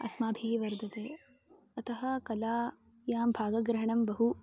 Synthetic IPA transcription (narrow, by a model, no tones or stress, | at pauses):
ɐ̰smaːbʱiːʋɐɾd̪ʱɐt̪eː | ɐt̪ʰɐɦɐ̆kɐlaː | jaːmbʱaːɡɐɡɾɐɦɐɳɐmbɐɦu